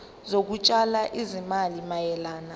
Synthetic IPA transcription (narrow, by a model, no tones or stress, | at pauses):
zok̬ut͡ʃʼalaʔizimalimajɛlaːna